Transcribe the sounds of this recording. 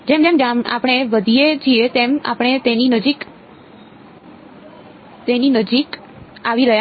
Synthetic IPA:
d͡ʒemt̪emd͡ʒama̰pɽ̃eʋəd̪ʱied͡ʒiet̪ema̰pɽ̃et̪eninəd͡ʒik | t̪eninəd͡ʒik | aʋiɾəɦja

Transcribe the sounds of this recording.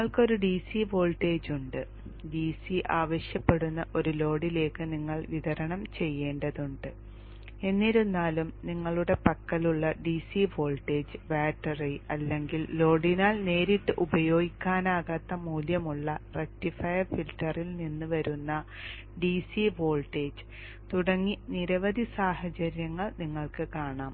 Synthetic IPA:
iŋːɐɭkɨo̞ɾuɖiːsiʋo̞ːlʈe̞ːd͡ʑuɳɖɨ | ɖiːsiʔaːʋɐɕjɐpːe̞ɽunːɐʔo̞ɾulo̞ːɽile̞ːkːɨniŋːɐɭʋiðɐɾɐɳɐmt͡ɕe̞jːe̞ːɳɖɐðuɳɖɨ | e̞nːiɾunːaːlumniŋːɐɭuɽe̞pɐkːɐluɭːɐɖiːsifo̞ːlʈe̞ːd͡ʑɨʋaːʈːɐreɐlːe̞ŋɡilːo̞ːɽinaːlne̞ːɾiʈːɨʔubɐjo̞ːɡikʲːaːnaːɣat̪ːɐmuːljɐmuɭːɐrek̚ʈifɐjɐrfiltːɐrilninːɨʋɐɾunːɐ | ɖiːsibo̞ːlʈe̞ːd͡ʑɨ | t̪uɽɐŋːiniɾɐʋɐd̪ʱisaːhɐt͡ɕɐɾjɐŋːɐɭniŋːɐɭkɨkaːɳaːm

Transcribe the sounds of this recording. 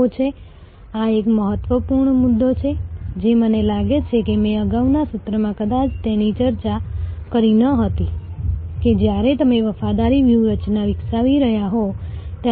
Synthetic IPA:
ot͡ʃʰe | aekməɦət̪ʋəpuɾɳmud̪ːot͡ʃʰed͡ʒemənelaɡet͡ʃʰekemɛ̃əɡaʋnasʊt̪ɾəmãkəd̪at͡ʃʰt̪enit͡ʃəɾt͡ʃakəɾinəɦət̪i | ked͡ʒjaɾet̪əmeʋəfad̪aɾiʋjuɾət͡ʃnaʋɪksaʋiɾəɦjaɦot̪

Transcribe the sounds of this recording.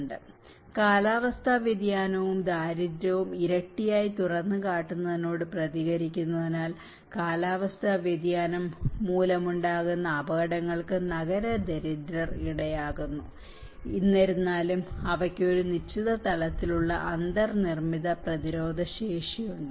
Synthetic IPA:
ɳɖɨ | kaːlaːʋɐst̪ʰɐʋjed̪jaːnɐʋumd̪ʱaːɾid̪ɾɐʋumiɾɐʈːijaːjit̪urɐnːɨkaːʈːunːɐðino̞ːɽɨprɐðiɣɐɾikʲːunːɐðinaːl | kaːlaːʋɐst̪ʰɐʋjed̪jaːnɐmːuːlɐmuɳɖaːɣunːɐːbɐɣɐɽɐŋːɐɭkɨnɐɣɐɾɐd̪eɾid̪ɾɐriɽɐjaːɣunːu | inːɐɾunːaːlumɐʋɐkʲːeoɾunit͡ɕʰːiðɐt̪ɐlɐt̪ːiluɭːɐ̰ʔɐnd̪ɐrnirmiðɐprɐðiɾo̞ːd̪ʱɐɕeːʂijuɳɖɨ

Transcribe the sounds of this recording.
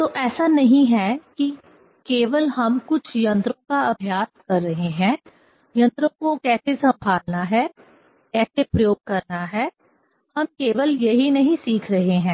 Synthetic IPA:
t̪oʔɛːsanɐɦĩɦɛki | keːʋəlɦɐmkʊt͡ʃʰjɐ̃nt̪ɾõkaɐbʱjaːskɐɾːɐɦeɦɛ̃ː | jɐ̃nt̪ɾõkokɛːsesɐ̃mbʱaːlnaɦɛː | kɛːsepɾɐjoːɡ̚kɐɾnaɦɛː | hɐmkeːʋəljɐɦinɐɦĩsiːkʰɾɐɦeɦɛ̃ː

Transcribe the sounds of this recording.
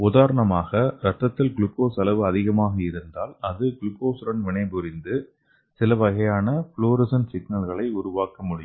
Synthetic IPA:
ʊðaːɾɐɳɐmaːɣɐɾɐt̪ːɐt̪ːɪlɡɭʊkːoːsɐlɐʋɯɐðɪɣɐmaːɣɐɪɾɯnd̪aːlɐðɯɡɭɯkoːsɾɐnʋɪɳɐɪbʊɾɪnd̪ɯ | sɪlɐʋɐɣɐjaːnɐfɭoːɾɪsɐnsɪɡnɐlɣɐɭɐɪʊɾʊʋaːkɐmʊɽɪj

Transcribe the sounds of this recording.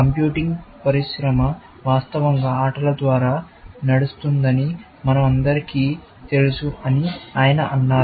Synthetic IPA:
kɐmpjuːʈiŋɡpɐɾiʃɾɐmɐ | ʋaːst̪ɐʋɐŋɡaːaːʈɐlɐd̪ʋaːɾaː | nɐɽust̪und̪ɐni | mɐnɐmɐnd̪ɐɾikiː | t̪e̞lusuɐniaːjɐnɐʔɐnːaː

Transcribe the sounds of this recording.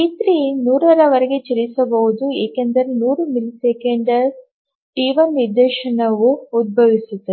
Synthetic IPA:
it̪ɾinuːɾɐɾɐʋɐɾeɡet͡ʃɐɾisɐbɐʋud̪ueːkend̪ɐɾenuːɾumilisekeɳɖɐs | ʈiːʋɐnːiɾd̪eːʃɐnɐʋuud̪̚bʱɐʋisut̪ːɐ

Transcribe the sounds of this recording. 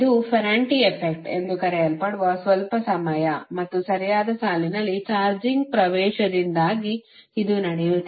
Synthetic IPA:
id̪upʰɐɾaːɳʈiepʰek̚ʈe̞̰nd̪ukɐɾɛɐlpɐɽuʋɐsʋɐlpɐsɐmɐjɐmɐt̪ːusɐɾijaːd̪ɐsaːlinɐlːit͡ʃaːɾd͡ʒiŋɡ̚pɾɐʋɛːʃɐd̪ind̪aːɡiːd̪unɐɽɛʋut̪ːe

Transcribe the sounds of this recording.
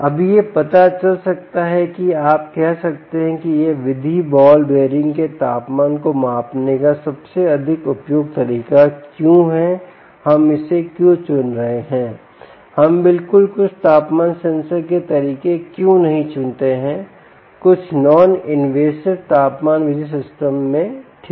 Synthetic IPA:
ɐbjepɐt̪at͡ʃɐlsɐk̚t̪aɦɛkiaːp̚kɛɦsɐk̚t̪eɦɛ̃kijeʋɪd̪ʱibɔːlɖeːɾɪ̃ŋɡket̪aːpmaːnkomaːpnekasɐbseɐd̪ʱɪkʊpjoːɡ̚t̪ɐɾiːkakjũɦɛ | hɐmɪsekjũt͡ʃʊnɾɐɦeɦɛ̃ː | hɐmbɪlkʊlkʊt͡ʃʰt̪aːpmaːnsɐ̃nsəɾket̪ɐɾiːkekjũnɐɦĩt͡ʃʊnt̪eɦɛ̃ː | kʊt͡ʃʰnɔːnɪnʋeːsɪʋt̪aːpmaːnʋɪd̪ʱis̬ɪsʈəmːẽʈʰ

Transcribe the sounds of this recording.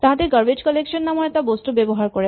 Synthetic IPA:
t̪ãɦat̪eɡəɾbed͡ʑkɔlekʃɔnːamɔɭet̪abosʈubebɔɦaɾkɔɾe

